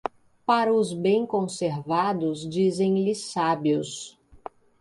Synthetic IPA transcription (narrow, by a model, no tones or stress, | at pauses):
paɾɐʊzbẽj̃kõseɾvad̪ʊzd͡ʒizẽj̃lɪsabiʊs